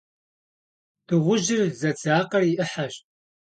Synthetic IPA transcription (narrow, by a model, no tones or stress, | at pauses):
d̥ɨʁʷʊʒɪrzɐt͡sʰaːqɐriʔɨħaɕ